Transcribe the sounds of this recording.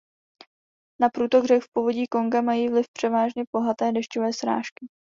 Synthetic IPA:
napɾuːt̪o̞ɣrɛkfpovo̞ɟiːko̞ŋɡamajiːvlɪfpr̝̥ɛvaːʒɲɛbo̞ɦat̪ɛːdɛʃcovɛːsɾa̰ːʃkɪ

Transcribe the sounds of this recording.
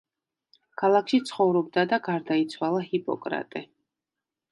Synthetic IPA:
kʰalˠakʃit̪sʰχɔvɾɔb̚d̪ad̪aɡaɾd̪ait̪sʰwalˠahipʼɔ̰kʼɾa̰t̪ʼɛ

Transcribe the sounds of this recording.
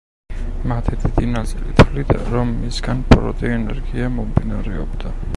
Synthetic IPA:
mat̪ʰɛd̪id̪inazɛlḭt̪ʰlid̪ɾɔmːisɡanpʼɾɔ̰t̪ʼiɛnɛɾɡiamɔmvinaɾɛɔbd̪a

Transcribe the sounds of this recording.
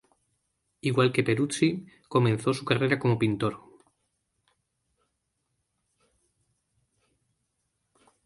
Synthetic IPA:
iɣwalke̞pe̞ɾut͡si | ko̞mẽnθo̞sukare̞ɾako̞mo̞pint̪o̞ɾ

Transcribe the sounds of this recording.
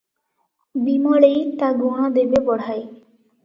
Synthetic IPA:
bimaɭejt̪aɡoɽ̃ad̪ebebɔɽ̤aj

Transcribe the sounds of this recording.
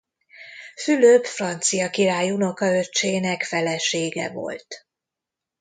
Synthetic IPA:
fyløːpfrɒnt̪sijɒkiɾaːjuno̞kɒøt͡ʃːeːnɛkfɛlɛʃeːɡɛ̰vo̞̰lt̪

